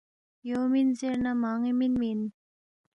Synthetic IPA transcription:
jominzeɾnamaŋiminmin

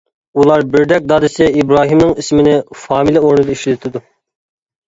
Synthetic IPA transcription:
ulˠɑɾbɪɾd̪ɛk̚ʲd̪ɑːd̪ɨsɪibɾɑːɦimnɨŋismɪnɪfɑːmilʲˠioɾnɨd̪ɑiʃlɪt̪ʰɪd̪u

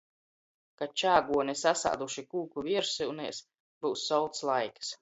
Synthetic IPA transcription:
kat͡ʃaːɡuɔnʲisasa̰ːd̪uʃikuːkuviɛɾsiwnɛ̰ːs | buːsːɔwlˠt̪slˠajks

